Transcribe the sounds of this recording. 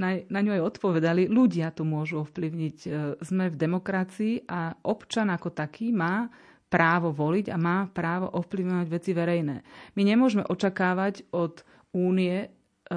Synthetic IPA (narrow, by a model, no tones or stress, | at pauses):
nanaɲuajɔt̪pɔʋɛd̪aliluɟɪat̪ɔmʊɔʒuɔfpliʊɲiɟzmɛvd̪ɛmɔkɾat͡siːʔaʔɔpt͡ʃanakɔt̪akʰiːmaː | pɾaːʋɔʋɔliɟa̰maːpɾaːʋɔ̰ʔɔfpliʊɲɔʋaɟʋɛt͡siʋɛɾɛjnɛ̰ːmiɲɛmʊɔʒmɛ̰ʔɔt͡ʃakaːʋaɟɔt̪ | uːniɛ